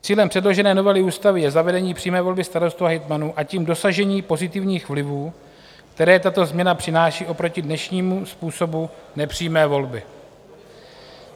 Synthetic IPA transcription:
t͡siːlɛmpr̥ɛdlo̞ʒɛnɛːno̞vɛlɪuːst̪avɪjɛzavɛdɛɲiːpr̥iːmɛːvo̞lbɪst̪aɾo̞st̪uaɦɪt̪manuʔaciːmdo̞saʒɛɲiːpo̞zɪt̪ɪvɲiːxvlɪvuː | k̚t̪ɛɾɛːt̪at̪o̞zmɲɛnapr̥ɪnaːʃiːʔo̞pɾo̞cɪdnɛʃɲiːmuspuːso̞bunɛpr̝̥iːmɛːvo̞lbɪ

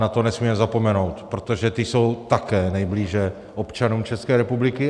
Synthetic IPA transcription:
nat̪o̞nɛsmiːmɛzapo̞mɛno̞wt̪pɾot̪oʒɛt̪ɪso̞wt̪akɛːnɛjbliːʒɛ | ʔo̞pt͡ʃanuːmt͡ʃɛskɛːɾɛpublɪkɪ

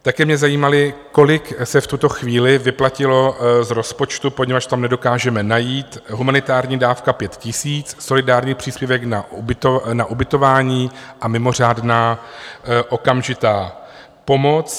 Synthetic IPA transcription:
t̪akɛːmɲɛzajiːmalɪko̞lɪksɛft̪ut̪o̞xviːlɪvɪplacɪlo̞zɾo̞spo̞t͡ʃt̪upoɲɛvat͡ʃt̪amnɛdo̞kaːʒɛmɛnajiːt̪ɦumanɪt̪aːɾɲiːdaːfkapjɛt̪cɪsiːt͡sso̞lɪdaːɾɲiːpr̝̥iːspjɛvɛknaubɪt̪onaʔubɪt̪o̞vaːɲiːʔamɪmo̞r̝aːdnaː | ʔo̞kamʒɪt̪aː | po̞mo̞t͡s

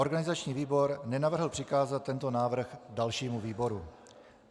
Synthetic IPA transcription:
ʔo̞ɾɡanɪzat͡ʃɲiːviːbo̞ɾnɛnavr̩ɦl̩pr̥ɪkaːzat̪̚ːɛnt̪o̞naːvr̩xdalʃiːmuviːbo̞ɾu

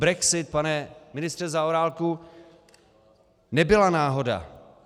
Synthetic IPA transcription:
bɾɛksɪt̪̚panɛmɪnɪst̪r̥ɛzaoɾaːlku | nɛbɪlanaːɦo̞da̰

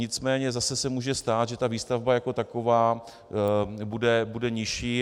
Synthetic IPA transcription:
ɲɪt͡smɛːɲɛzasɛsɛmuːʒɛst̪aːt̪ʒɛt̪aviːst̪avbajako̞t̪ako̞vaː | budɛbudɛɲɪʃiː

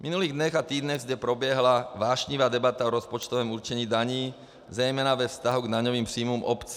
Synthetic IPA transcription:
minuliːɣd̪ɲɔɣat̪iːd̪ɲɔɣzɟɛpɾɔbjɛɦlaʋaːʃɲiʋaːd̪ɛbat̪aɔɾɔspɔt͡ʃt̪ɔʋɛːmuɾt͡ʃɛɲiːd̪aɲiː | zɾɛjmɛnaʋɛfst̪aɦuɡd̪aɲɔʋiːmpriːmɔmɔpt͡s

